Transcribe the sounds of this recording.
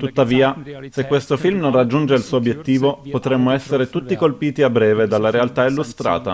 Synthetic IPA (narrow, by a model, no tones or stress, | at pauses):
t̪ut̪ːaviːasekːwest̪ofilmnõnrad͡ʒːund͡ʒeilsuːoobjet̪ːiːvopot̪ɾemːoɛsːeɾet̪ut̪ːikolpiːt̪iabːɾɛːved̪alːaɾealt̪ailːust̪ɾa̰ːt̪a̰